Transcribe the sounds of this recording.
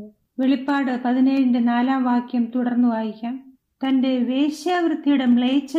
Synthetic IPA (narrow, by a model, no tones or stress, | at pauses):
ʋe̞ɭipːaːɽɨpɐðineːjɐɳdɨnaːlaːmʋaːkjɐmt̪uɽɐrnːuʋaːjikʲːɐm | t̪ɐnde̞ʋe̞ːɕjaːʋɾɨt̪ːijuɽemɭejt͡ɕːɐ